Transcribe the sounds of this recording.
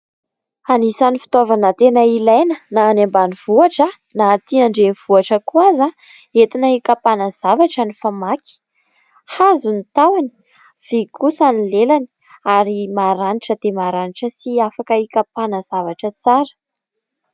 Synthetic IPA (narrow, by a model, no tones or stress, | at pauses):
anisanifi̥t̪ovanət̪enəilajnənaːnambaniv̥uaʈ͡ʂə | naːt̪iaɳɖ͡ʐeniv̥uaʈ͡ʂəkuaza | et̪inəikapanəz̥avaʈ͡ʂanifamakʲi̥ | hazunit̪awani̥ | v̥ikusanilelani̥ | aɾimaɾaniʈ͡ʂəd̪̥emaɾaniʈ͡ʂəsiafakəikapanəzavaʈ͡ʂət͡saɾə̥